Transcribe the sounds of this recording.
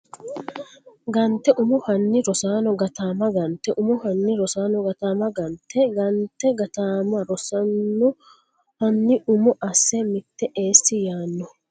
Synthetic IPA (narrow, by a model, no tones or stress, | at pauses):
ɡɐnt̪ːɛʔʊmʊhɐnːɪɾɔsaːnɔɡɐt̪aːmɐɡɐnt̪ːɛʔʊmʊhɐnːɪɾɔsaːnɔɡɐt̪aːmɐɡɐnt̪ːɛɡɐnt̪ːɛɡɐt̪aːmɐɾɔsɐnːɔ | hɐnːɪʊmɔʔɐsːɛmɪt̪ːɛʔeːsːɪjaːnːɔ